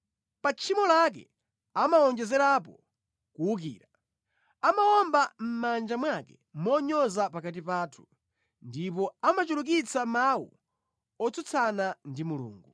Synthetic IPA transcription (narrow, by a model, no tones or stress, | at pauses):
pat͡ʃʰimɔlak̬ɛ̰ | amaɔnd͡ʒɛzɛɾap̬ɔ | kuuk̬ḭːɾa | amawɔmbam̩mand͡ʒamwakɛ | mɔɲɔzapakat̬ipaːtʰu̥ | ndipɔamat͡ʃuluk̬it͡samawṵ | ɔt͡sut͡sʰanandimulṵːŋɡu